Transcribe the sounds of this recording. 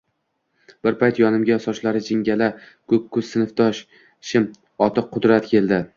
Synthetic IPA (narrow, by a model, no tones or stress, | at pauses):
b̥ɪɾpajt̪jɒnɪmɡʲajɒsɒʃlaɾɪd͡ʒɪŋɡʲala | kʰɵkʲʰːɵzɪnɪfd̪ɒʃ | ʃɪm | ɒt̪ʰɨqqʰːʊd̪ɾat̪kʲe̞lˠd̪ɪ